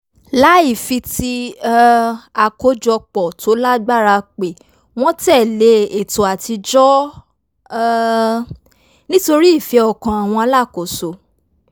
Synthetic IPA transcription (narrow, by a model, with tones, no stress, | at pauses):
la˨˦i˦˨fi˧ti˧˦ | a˨ko˦d͡ʒɔ˧k͡pɔ˨to˨˦la˦ɡ͡ba˦ɾa˧k͡pe˨ | w̃ɔ̃˦tɛ˦˨le˨˦e˨to˨a˨ti˧d͡ʒɔ˦ | nĩ˦to˧ɾi˦i˦˨fi˧ɔ˨kã˨a˨w̃ɔ̃˧a˧la˦˨ko˨so˨